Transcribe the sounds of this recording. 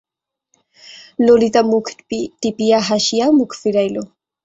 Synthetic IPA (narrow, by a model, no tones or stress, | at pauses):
lolit̪amʊkpit̪ɪpijaɦaʃjamʊkfiɾajlo